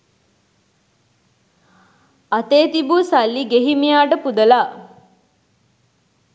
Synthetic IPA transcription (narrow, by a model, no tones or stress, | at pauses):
at̪eːt̪ibusalːiɡeɦimijaːʈəpud̪əla